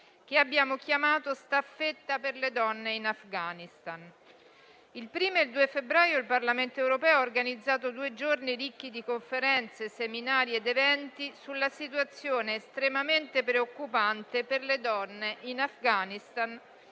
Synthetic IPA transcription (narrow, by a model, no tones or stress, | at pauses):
keabːjaːmok̟jamaːt̪ost̪afet̪ːaperled̪ɔnːeinafɡaːnist̪an | ilpɾiːmoild̪uːefebɾaːjoilparlament̪oewɾopɛːoaorɡanid̪zːaːt̪od̪uːed͡ʒorniɾikːid̪ikoɱfeɾɛnt̪seseminaːɾjed̪evɛnt̪isulːasit̪wat̪sːjoːneːst̪ɾemament̪epɾeokːupant̪eperled̪ɔnːeʔinafɡaːnist̪an